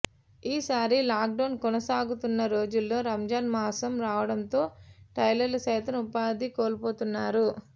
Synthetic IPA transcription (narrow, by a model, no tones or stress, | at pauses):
iːsaːɾilaːk̚ɖɐwnkɔnɐsaːɡut̪unːɐɾo̞ːd͡ʒulːo̞ːɾɐmd͡ʒaːnmaːsɐmɾaːʋɐɽɐnt̪o̞ːʈɐjlɐlːɐsɛjt̪ɐmupaːd̪ikoːlpo̞ːt̪unːaːɾu